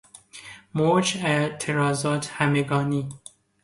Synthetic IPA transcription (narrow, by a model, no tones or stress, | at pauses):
moːt͡ʃæt̪ʰeɾɑːzɑːt̪hæmeɡɑːni